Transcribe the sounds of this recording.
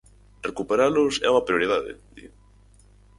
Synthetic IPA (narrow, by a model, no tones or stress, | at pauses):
rekupeɾalʊsɛ̰uɐpɾijoɾið̞aðɪ̰d̪ḭɣ